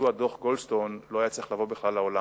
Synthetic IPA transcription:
uad̪oχɡolst̪o̞nlo̞ajat͡sliχlavo̞biχlalːaola

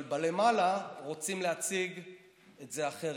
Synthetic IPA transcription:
lbalemalaʁot͡simleat͡siɡ | etze̞aχe

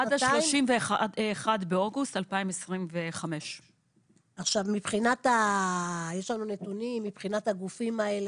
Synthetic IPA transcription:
ʔad̪aʃloʃimveχadːχadbeoɡustalpaimesʁimveχame̞ʃ | aχʃavmipχinata | jeʃlanune̞tunimːipχinataɡufimaele

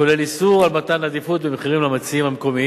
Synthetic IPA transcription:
ole̞lisuʁalmat̪anlad̪ifut̪̚bemeχiʁimlamat͡siimhameko̞mi

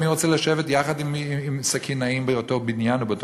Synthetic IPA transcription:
niʁot͡sɛlaʃevetjaχad̪imiimsakʰinaimbejot̪eʁbinjanubeot̪

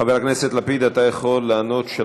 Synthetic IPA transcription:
aveʁakneset̪lapid̪at̪ajeχo̞lːaano̞tʃe

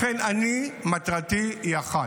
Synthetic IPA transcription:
ɛnanimat̪ɾat̪iaχa

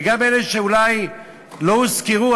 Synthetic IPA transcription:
ɡabeleʃeulaj | louskiʁu

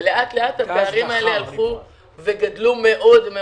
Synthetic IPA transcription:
leʔat̪le̞athabeaʁimaele̞halχu | ve̞ɡadlume̞ʔo̞dme

